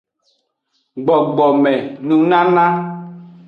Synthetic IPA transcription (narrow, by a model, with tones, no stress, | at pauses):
ɡ͡bɔ˨ɡ͡bɔ˨mɛ̃˨nũ˨nã˦nã˦